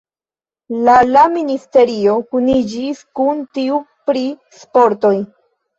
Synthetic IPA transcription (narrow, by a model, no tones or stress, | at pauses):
lalaministe̞ɾio̞kunid͡ʒiskuntiu | pɾi | spo̞ɾto̞j